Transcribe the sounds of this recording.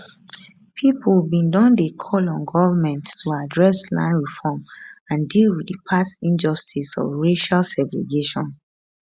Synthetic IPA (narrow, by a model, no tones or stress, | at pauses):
pʰipulbĩndɔ̃ndekʰɔlɔ̃nɡɔvəmɛ̃ntːuadɹɛslã̰ɪ̃nɹifɔmãndilwidipʰasĩnd͡ʒɔstʰisɔ̰vɹeʃalsɛɡɹḛɡeʃɔ̃n